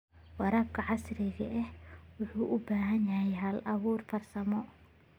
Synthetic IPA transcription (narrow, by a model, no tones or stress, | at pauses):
wɑɾɐːb̚kʰɐʕɑsrɪɣɐʔɛhwʊħuːʔʊbaːɦɐnjahɛɦɐlʔɐβuːrfɐrsɐmɔ